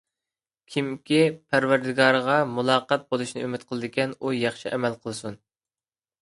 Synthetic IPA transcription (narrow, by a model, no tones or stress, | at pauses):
kʲʰimkʲipʰæɾvæɾd̪ɪɡɑɾʁɑmulˠɑːqɑt̪̚bolˠuʃnɨymɪt̪̚qʰəlˠɨd̪ɨɪkʲɛnujɑχʃiʔɛmɛlˠqʰəlˠsun